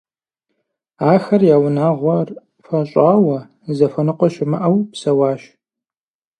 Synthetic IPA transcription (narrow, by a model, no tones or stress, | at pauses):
aːxɐrjaːwʊnaːʁʷɔr | fɐɕʼaːwɐ | zɐfɐnɨqʷɔʃɪmɨʔɐwpsɐwaːʃ